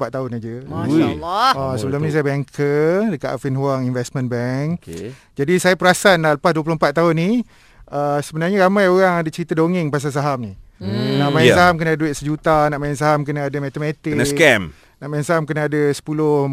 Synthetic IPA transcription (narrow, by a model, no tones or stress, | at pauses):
pat̪t̪ːaʊnad͡ʒə | asəbəlʊmnĩs̬ajəbaŋkʰədəka̰ʔafinɦuaŋinvɛstmə̃nbɛŋkk | d͡ʒadisajapəɾasanaləpasduəp̬lohmpat̪ːaɦʊnːi | əsəbənarɲaɾamãjoɾaŋadat͡ʃəɾit̪adoŋɪŋpas̬as̬aɦamninaʔmajansaɦamkənaduiʔsəd͡ʒut̪anaʔmajans̬aɦamkənaadəmɛt̪əmɛt̪ɪkkkɛm | naʔmajansaɦamkənaːdasə̥pulʊ